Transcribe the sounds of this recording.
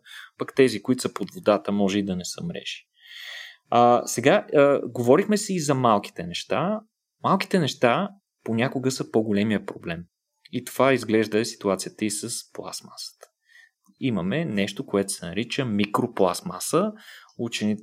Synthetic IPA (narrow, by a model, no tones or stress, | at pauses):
pɐkt̪ɛzikʊit̪o̥səpod̪vod̪at̪əmɔʒɛid̪ɐnɛsə̰mɾɛ̰ʃi̥ | asɛɡaəɡovɔɾixmɛsɛizɐmalˠki̥t̪ɛnɛʃt̪a | malˠki̥t̪ɛnɛʃt̪a | ponʲakʊɡəsəpoɡolɛmijəpɾoblɛm | it̪o̥v̥aizɡlɛʒd̪əsi̥t̪uat̪sijət̪əisəsplˠa̰sma̰sə̥t̪ə̥ | iməmɛnɛʃt̪okoɛt̪ʊ̥sɛnɐɾit͡ʃəmikɾoplˠa̰sma̰səut͡ʃɛni